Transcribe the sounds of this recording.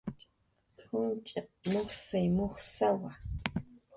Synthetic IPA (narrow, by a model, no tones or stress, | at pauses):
hʊnt͡ʃʼaq̚moχsajmoχsawa